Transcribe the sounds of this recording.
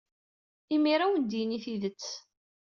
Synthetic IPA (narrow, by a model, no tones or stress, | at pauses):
imiɾawnd̪iniθiðət͡sː